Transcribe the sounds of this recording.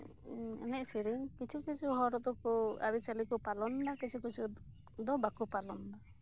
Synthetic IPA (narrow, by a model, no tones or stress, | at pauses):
ɛ̰nɛʔsiɾiŋkit͡ʃʰukit͡ʃʰuɦɔɾɔd̪ɔkua̰ɾit͡ʃalikupalɔnnakit͡ʃʰukit͡ʃʰu | d̪ɔbakupalɔnda